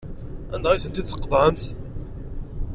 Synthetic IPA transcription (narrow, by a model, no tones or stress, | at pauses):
æ̰nd̪ʁiθənt̪id̪sə̥qːðˤʕəmθ